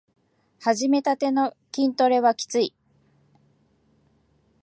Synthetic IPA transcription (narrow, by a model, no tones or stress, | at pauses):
haʑime̞t̪at̪e̞no̞ | kʲĩnt̪o̞ɾe̞βakʲi̥t͡sɨi